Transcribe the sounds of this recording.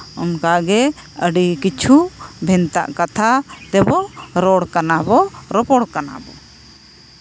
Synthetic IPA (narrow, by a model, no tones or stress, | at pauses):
ɔnkaɡɛ | əɖikit͡ʃʰubʱɛnt̪a̰ʔkat̪ʰat̪ɛbɔɾɔɽkanabɔɾɔpɔɽkana̰bɔ